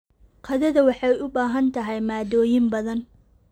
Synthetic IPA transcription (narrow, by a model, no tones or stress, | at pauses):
qʰɐðɐðɐwɑħɑjʊbaːɦɐnt̪ʰɐɦɛjmaːd̪ɔːjɪmbɐðɐn